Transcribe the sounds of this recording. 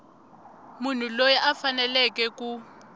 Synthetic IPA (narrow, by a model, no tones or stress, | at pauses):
mun̤ulojɛʔafanɛlɛkɛku